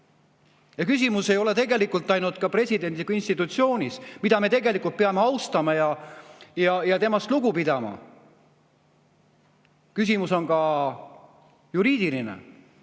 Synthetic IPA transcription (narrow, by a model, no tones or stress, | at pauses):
jɑkys̬ʲimuse̞jo̞le̞t̪e̞ɡe̞likːˑult̪ːˑɑjnud̪̥kɑpre̞sʲid̪e̞nd̪ikuinst̪it̪ːˑut̪sio̞ːnʲismid̪̥ɑme̞t̪e̞ɡe̞likːˑult̪̚peɑmeɑwst̪ɑmɑjɑjɑjɑt̪e̞mɑst̪luɡ̥upid̪̥ɑmɑ̰ | kysimuso̞nkɑ | juɾiːd̪ilinḛ